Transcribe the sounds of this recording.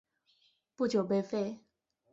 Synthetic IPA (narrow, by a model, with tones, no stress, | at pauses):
pu˥˨t͡ɕjo˨˩be˥˧˦fe˥˧˨